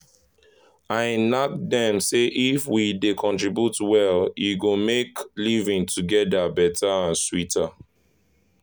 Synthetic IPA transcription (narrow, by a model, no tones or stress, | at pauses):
aɪnak̚dɛ̃mseʔifwidekʰɔ̃ntɹibjutwɛljiɡomeklivĩŋtʰuɡɛdabɛtʰaãnswitʰa